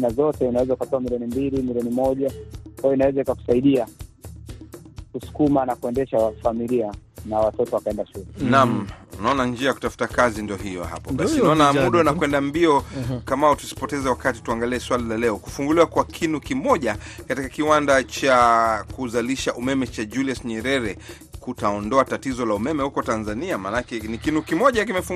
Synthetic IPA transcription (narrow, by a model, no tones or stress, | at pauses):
nazɔtɛinawɛzaikatɔamiliɔnimbilimiliɔnimɔʄakwajɔinawɛzaikaku̥saiɗia | kusu̥kumanakuɛndɛʃaafamilianawatɔtɔwakaɛndaʃulɛnamunaɔnand͡ʒiajaku̥tafu̥takazindiɔɦijɔ̰ha̰pɔɓasinaɔnamuɗɔnakwɛndambiɔkamautu̥si̥pɔtɛzɛwakati̥tuaŋɡaliɛswalilalɛɔku̥fuŋɡuliwakwakʰinukimɔʄakatikakiwandat͡ʃakuzaliʃaʔumɛmɛt͡ʃad͡ʒuliasɲɛɾɛɾɛ | kutaɔndɔatatizɔlaumɛmɛhukɔtanzaniamanakɛnikinukimɔʄakimɛfuŋ